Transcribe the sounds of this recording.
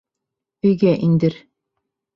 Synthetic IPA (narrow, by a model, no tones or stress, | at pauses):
ɵ̆jɡæʔind̪ɘɾ